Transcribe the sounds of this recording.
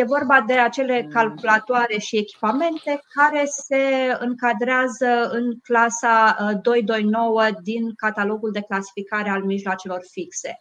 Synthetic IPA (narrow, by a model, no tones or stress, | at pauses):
je̞vo̞rbad̪e̞at͡ʃe̞le̞kalkulat̪oaɾe̞ʃie̞kʲi̥pame̞nt̪e̞kaɾe̞se̞ɨŋkad̪ɾeazəɨŋklasad̪o̞jd̪o̞jno̞wəd̪inkat̪alo̞ɡuld̪e̞klasi̥fikaɾe̞almiʒloat͡ʃe̞lo̞rfikse̞̰